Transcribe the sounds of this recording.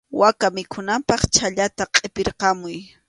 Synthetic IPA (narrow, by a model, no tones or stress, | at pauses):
wakamɪkʰʊnampɑχt͡ʃʰaʎat̪aqʼepɪɾqɑmʊj